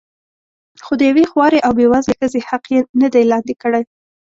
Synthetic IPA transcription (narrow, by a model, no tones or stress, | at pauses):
xod̪əjawexwɑɾeʔawbewazlexəzehaqjenəd̪ajlɑnd̪ikəɽaj